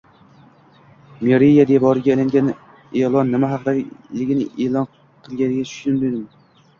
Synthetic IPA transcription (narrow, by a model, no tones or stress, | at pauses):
meɾijad̪ebɒɾɪɡʲalaŋɡʲan | elˠɒnːɪmaɦɑqd̪alɪɡʲɪnɪ̰ʔelɒn | qʰɨlˠɡʲanɪɡʲat͡ʃ̪ʰʊ̥ʃɪmd̪ed̪ɪm